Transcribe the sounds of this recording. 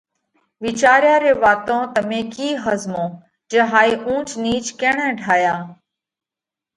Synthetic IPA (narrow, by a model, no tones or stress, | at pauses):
ʋiːt͡ʃaːɾjaːɾeːʋaːt̪õːt̪əmẽːkiːɦəzmõː | d͡ʒeɦaːiːʔũːt͡ʃniːt͡ʃkeːɳɛ̃ːɖʱaːjaː